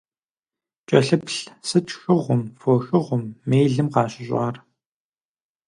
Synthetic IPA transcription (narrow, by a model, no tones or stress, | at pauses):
t͡ʃʼɐɬɨpɬsɨt͡ʃxɨʁʷʊmfoːxɨʁʷʊmːeːjɮɨmqɑːɕɪɕʷʼɑ̰ːr